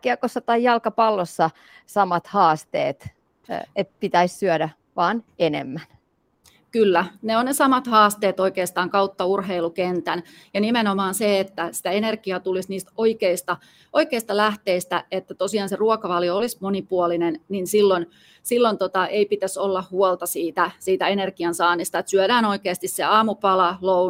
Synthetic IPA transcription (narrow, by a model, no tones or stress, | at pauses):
kiɑkosːɑt̪ɑijɑlkɑpɑlːosːɑ | sɑmɑt̪hɑːst̪ḛːt̪ | et̪̚pit̪æissyœdæ | ʋɑːnenḛmːæn | kylːæneonnesɑmɑt̪hɑːst̪eːt̪oikeːst̪ɑːŋkɑut̪ːɑurɦeilukent̪æn | jɑnimenomɑːnseet̪ːæsi̥t̪æenerɡ̥iɑt̪ulisniːst̪oikeist̪ɑ | ʔoikeist̪ɑlæht̪eist̪æet̪ːæt̪osiɑːnseruɔkɑʋɑljoolismonipuolinenninsilːon | silːont̪ot̪ɑʔeipit̪æsolːɑhhuɔlt̪ɑsiːt̪æsiːt̪æenerɡiɑnsɑːnist̪ɑet̪syædæːnoikeːst̪isseɑːmupɑlɑlou